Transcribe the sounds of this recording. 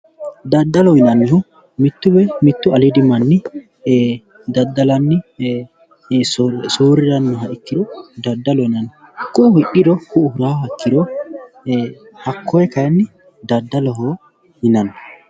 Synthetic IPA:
d̪ɐd̪ːɐlɔhɪnɐnːhʊ | mɪt̪ːʊbɛmɪt̪ːʊɐlɪd̪ɪmːɐnːɪ | d̪ɐd̪ːɐlɐnːɪ | soːɾɪɾɐnːʊɦɐʔɪkːɪd̪ɔd̪ɐd̪ːɐlɔɪnɐn | kːʊhɪʔɪd̪ɔhʊhʊɾaːhɐkːɪd̪ɔ | hɐkʰːɔjɛkɐjɐnːɪ | d̪ɐd̪ːɐlɔɦo | hɪnɐnːɐ

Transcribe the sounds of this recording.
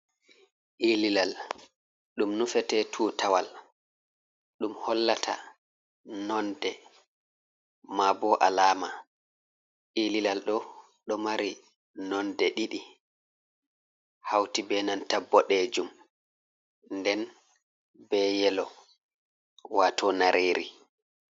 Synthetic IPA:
ʔililal | ɗumnufɛtɛtʰuːtawal | ɗumhɔlːatʰa̰ | nɔndɛ | mabɔʔalaːma | ʔililalɗɔ | ɗɔmaɾi | nɔndɛɗiɗi | hawtibɛnantabːɔɗɛd͡ʒum | ndɛn | bɛːjɛlɔ | waːtɔnaɾʔeːɾḭ

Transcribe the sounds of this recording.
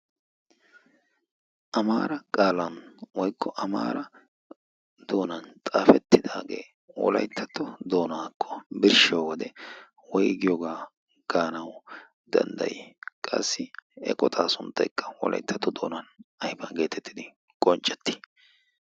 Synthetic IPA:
ʔɐmaːɾɐkʼaːlɐnwɔjkʰːɔʔɐma̰ːɾɐ | d̪̥o̞ːnɐnt̪ʼaːfɛt̪ːɪd̪a̰ːɡe̞̰ː | wɔ̰lɐ̰jt̪ʰːɐt̪ːɔd̪o̞ːnaːkʰːɔ̥bɪɾʃɐwwɔd̪ɛ | wɔjɡɪjɔɡaː | ɡ̥aːnɐw | d̪ɐ̰nd̪ɐ̰jkʼɐ̰sːɪɛ̰kʼɔt̪ʼaːsʊnt̪ːɐjkːɐ̥wɔ̰lʔɐ̰jt̪ːɐt̪ːɔd̪o̞̰ːnɐnɐjbɐnɡe̞ːt̪ɛt̪ːɪd̪ɪ | kʼɔnt͡ʃʼːɛ̥t̪ːɪ̥

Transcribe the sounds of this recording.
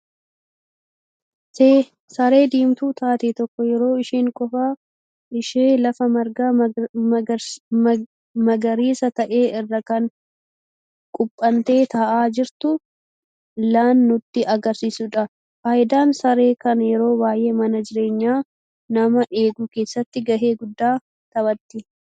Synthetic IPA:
se | sɐɾe̞ːd̪iːmt̪uːt̪ʰaːt̪iːt̪ɔkːɔjɛɾo̞ːɪʃiːŋkʼɔfa | ɪʃeːlɐfɐmɐɾɡa | mɐɡɐɾiːsɐt̪ɐʔe̞ːʔɪrːɐkɐn | kʼʊpʼːɐnt̪e̞ːt̪ɐʔaːd͡ʒɪɾt̪ʊ | laːnːʊt̪ːɪʔɐɡɐɾsiːsʊᶑɐ | faːʔɪd̪aːnsɐɾe̞ːkɐnjɛɾo̞ːwaːje̞ːmɐnɐd͡ʒɪɾe̞ːɲːaː | nɐmɐʔe̞ːɡuːke̞ːsːɐt̪ːɪɡɐʔe̞ːɡʊd̪ːaː | t̪ɐbɐt̪ːɪ

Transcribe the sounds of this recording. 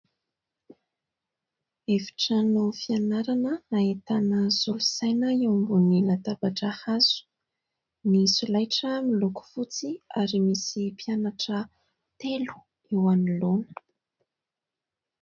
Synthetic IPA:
evi̥ʈ͡ʂanofianaɾanənaet̪anəzulusajnəewmbunilat̪abaʈ͡ʂahaz̥u̥ | misulajʈ͡ʂəmiluku̥fut͡siaɾimisipianaʈ͡ʂə | t̪elu̥ | ewanilonə̥

